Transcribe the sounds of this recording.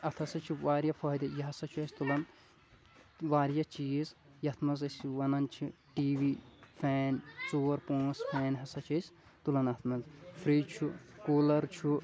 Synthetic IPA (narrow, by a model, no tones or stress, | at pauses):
ɐt̪ʰɐsɐt͡ʃʰuʋaːɾjɐfɐːd̪ɐjɐɦɐsɐt͡ʃʰuɐsʲt̪ulɐn | ʋaːɾjɐt͡ʃiːz | jɐt̪ʰmɐzɐsʲiʋɐnɐnt͡ʃʰiʈiːʋifʰɛːnt͡soːɾpõːsfʰɛːnɦɐsɐt͡ʃʰɐsʲ | t̪ulɐnɐt̪ʰmɐzfɾiːt͡ʃʰukoːlɐɾt͡ʃʰu